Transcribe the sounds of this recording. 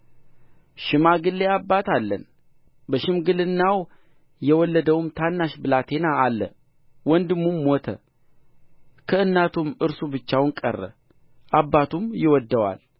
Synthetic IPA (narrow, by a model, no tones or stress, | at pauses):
ʃɪmaɡɨlːeabːat̪alːə̰n | bəʃɪmɡɨlɨnːaw | jɛwɔlːəd̪əwumt̪ʰanːaʃbɨlat̪ʰe̞naːlːə̰ | wɔnd̪ɨmːumːot̪ʰə̰ | kʰəɨnːat̪ʰumɨɾsubɨt͡ʃːawnkʼə̰rːə̰ | ʔabːat̪umjɪwɔd̪ːəwa̰l